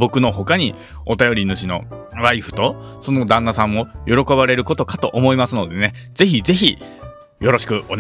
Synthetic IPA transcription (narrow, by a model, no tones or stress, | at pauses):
bo̞kɯ̟no̞ɦo̞kaɲ̟i | o̞t̪ajo̞ɾʲinɯ̟ɕino̞̰βaiɸɯ̟̥t̪o̞so̞no̞d̪ãnːasãmːo̞jʔo̞ɾo̞ko̞βaɾe̞ɾɯ̟ko̞t̪o̞kat̪o̞ʔomoimasɨno̞d̪e̞ne̞ze̞çize̞çi | jo̞ɾo̞ɕi̥kɯ̟one